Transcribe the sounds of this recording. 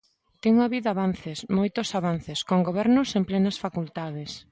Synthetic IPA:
t̪eŋuaβiðaβan̟θesmojt̪osaβan̟θeskoŋɡoβɛɾnʊsemplɛnɐsfakult̪að̞es

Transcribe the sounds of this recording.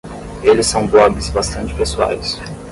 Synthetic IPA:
elɪsːɐ̃w̃blɔɡɪzbast̪ɐ̃nt͡ʃɪ̥pesua̰js

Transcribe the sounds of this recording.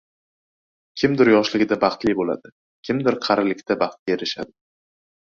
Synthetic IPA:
kʲʰɪmd̪ɪɾjɒʃlɪɡʲɪd̪abɑχt̪lɪbola̰d̪ɪ | kʲʰɪmd̪ɪɾqʰɑɾɪlɪkʲt̪ʰabɑχt̪̚ɡʲaeɾɪʃad̪ɪ

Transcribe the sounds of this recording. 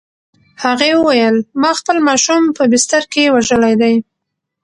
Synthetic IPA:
haɣewəwajəlmɑxpəlmɑʃumpəbɪst̪aɾkewaʒəlajd̪aj

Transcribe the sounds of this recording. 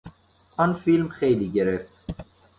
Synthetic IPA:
ɒnfilmxeːliːɡeɾeft̪

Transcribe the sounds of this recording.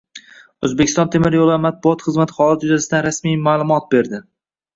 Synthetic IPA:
ɵzbekʲʰɪst̪ɒnt̪ʰemɪɾjolˠamat̪̚bʊɒt̪χɨzmat̪ʰɪ̥χɒlˠat̪d͡ʒʊzasɪd̪anɾasmijmaːlˠʊmɒt̪̚be̞ɾd̪ɪ

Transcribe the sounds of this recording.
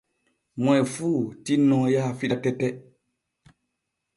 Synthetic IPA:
mɔjfutinɔ̃jafiɗatɛtɛ

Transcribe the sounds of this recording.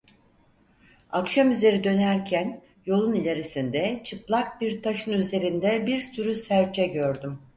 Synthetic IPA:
akʃamyze̞ɾid̪ø̞næɾcʰæn | jo̞lˠunilʲe̞ɾisind̪ɛt͡ʃʰɯplˠak̚biɾt̪ʰaʃɯnyze̞ɾind̪ɛbiɾsyɾysæɾt͡ʃʰɛɟø̞ɾd̪ym

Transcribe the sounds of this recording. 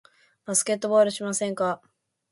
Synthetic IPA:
b̥asɨ̥ke̞t̪ːo̞boːɾɯ̟ɕimasẽ̞ŋka

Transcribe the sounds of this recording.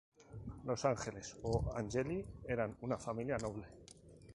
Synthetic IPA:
losaŋxelesoa̰nʲʒelieɾanunafamiljanoβ̞le

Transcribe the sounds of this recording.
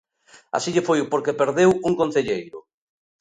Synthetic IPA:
a̰siʎɪfojʊpoɾkepeɾðewuŋkõn̟θeʎejɾʊ̰

